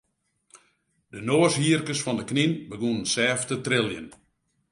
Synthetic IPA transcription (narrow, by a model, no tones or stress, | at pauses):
dənoəshiərkəsfɔndəkninbəɡunənsɛːftətrɪlˠjə̰n